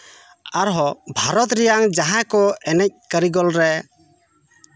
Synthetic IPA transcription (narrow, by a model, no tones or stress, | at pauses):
aɾɦɔbʱaɾɔt̪ɾɛjaŋd͡ʒaɦãkɔʔɛnɛc̚kəɾiɡɔlɾɛ